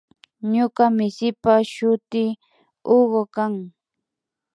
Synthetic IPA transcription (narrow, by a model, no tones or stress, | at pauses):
ɲoɢamɪsɪpaʃʊt̪ɪ | oɢokaŋ